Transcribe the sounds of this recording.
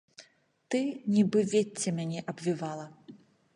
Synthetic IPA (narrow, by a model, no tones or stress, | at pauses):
t̪ɨnʲibɨvʲet͡sʲːɐmʲanʲɛʔɐbvʲivalˠɐ